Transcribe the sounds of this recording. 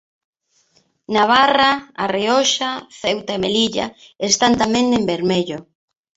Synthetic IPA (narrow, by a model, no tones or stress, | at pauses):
naβ̞araariɔʃaθewt̪aemeliʎa̰ | est̪ant̪amẽŋembeɾmeʎo